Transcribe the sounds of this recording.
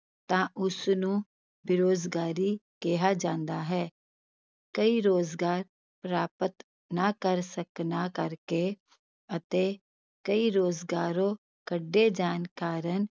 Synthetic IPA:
t̪ãːʔʊsnũː | bɪɾoːd͡ʒɡaːɾikeɦad͡ʒãːnd̪aɦɛː | kəiɾoːzɡaːɾ | pɾaːpət̪ | nakəɾsəknakəɾke | ət̪eː | kəiɾoːzɡaːɾõː | kəɖːed͡ʒaːnkaːɾən

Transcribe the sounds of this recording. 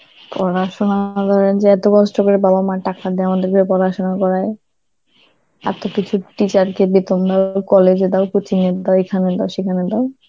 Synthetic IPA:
pɾɔɾaʃonad̪ɔɾend͡ʑeɛt̪okɔsʈokoɾebabamaʈakad̪ɛamad̪eɾɡʱoɾepɔɾaʃonakɔɾaj | a̰t̪okit͡ɕʰuʈit͡ɕaɾkebet̪ond̪akɔled͡ʑed̪aokut͡ɕʰined̪aekʰaned̪aʃekʰaned̪ao

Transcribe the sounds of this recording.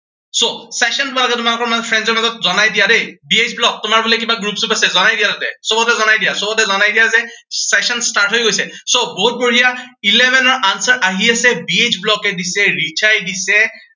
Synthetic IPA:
sosɛsɔntʊbalɔɡɛtʊmalʊkɔɹmazɔpʰɹɛndzɔɹmazɔt̚zɔnajdijadejbiet͡ʃblɔk̚tʊmaɹbulɛk̬ibaɡɹupsupasɛzɔnajdijatatɛ̰sobɔtɛzɔnajdijasɔbɔtɛzɔnajdijazɛsɛsɔnstaɹtɦojɡojsɛ | soboɦut̚boɦijailɛmɛnɔɹʔansɔɹʔaɦiasɛbied͡ʒblɔkɛdisɛɹit͡ʃʰajdisɛ

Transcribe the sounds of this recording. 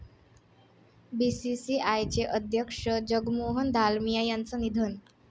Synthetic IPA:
bisisiajt͡ɕeʔəd̪ʱjəkʂəd͡ʑəɡmoɦənd̪ʱalmijajant͡sənid̪ʱən

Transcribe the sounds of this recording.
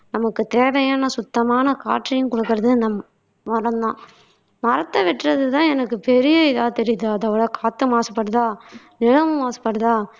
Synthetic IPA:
nɐmɐkːɯt̪eːʋɐjaːnɐsʊt̪ːɐmaːnɐkaːʈrijʊ̃nkɔɽɯkːɯɾɐðɯnɐm | mɐɾɐnd̪ãː | mɐɾɐt̪ːɐʋɪʈːɾɐðɯt̪ãːɛnɐkːɯpɛɾɪjɐɪðaːt̪ɛɾɪjɐðɯɐðɐʋɐɽɐkaːt̪ːɯmaːsɐ̥pːɐɽɯðaː | nɪɻɐmɯmaːsɐ̥pːɐɽɯðaː

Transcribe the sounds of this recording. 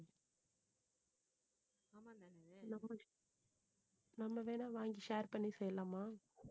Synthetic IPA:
nɐmːɐ | nɐmːɐʋeːnaːʋaːŋɡiʃaːɾpɐɳːisɛjːɐlaːmːaː

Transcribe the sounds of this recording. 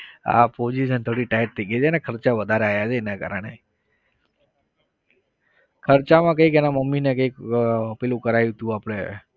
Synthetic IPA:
a̰pod͡ʒiʃənt̪ʰoɽiʈajəʈ̚t̪ʰəɡet͡ʃʰenekʰəɾt͡ʃaʋəd̪ʱaɾeajat͡ʃʰeːnaka̰ɾəɳ̃e | kʰəɾt͡ʃamãkəikenaməmːinekəikəpilũkəɾajũt̪jũapɽ̃e

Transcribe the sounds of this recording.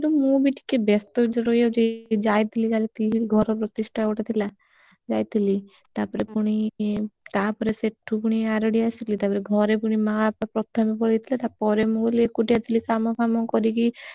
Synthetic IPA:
kt̪umũbiʈi̥kebɛst̪od͡ʒeɾojad͡ʒed͡ʒajt̪ʰilikalit̪ʰiliɡʱɔɾɔpɾɔt̪iʃʈʰaɛoʈat̪ʰila | d͡ʒajt̪ʰili | t̪aɾpɔɾepuɽ̃it̪apɔɾeseʈʰːupuɽ̃iaɾɔɽiasit̪lit̪apɔɾeɡʱɔɾepuɽ̃imãpapɾɔt̪ʰːamepɔɾet̪ʰilat̪apɔɾemũɡoliekuʈiat̪ʰilikamɔkʰamɔkɔɾiki

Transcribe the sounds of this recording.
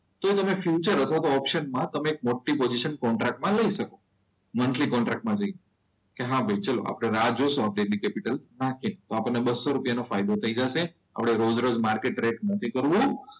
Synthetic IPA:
t̪oet̪əmefjut͡ʃəɾət̪ʰʋat̪oɔpʃənmãt̪əmeːk̚moɭʈipod͡ʒiʃənkɔɳʈɾak̚ʈmãləiʃəko | mənʈlikɔɳʈɾak̚ʈ̚mãd͡ʒəi | keɦãbʱəjt͡ʃalo̰ʔa̰pɽ̃eɾad͡ʒosõab̚ɖelikɛpiʈəlnakʰint̪oapəɳnebəsːoɾupjanofajd̪ot̪ʰəid͡ʒaʃe | a̰pɽ̃eɾod͡ʒɾod͡ʒmaɾkeʈɾeʈnət̪ʰikəɾʋũ

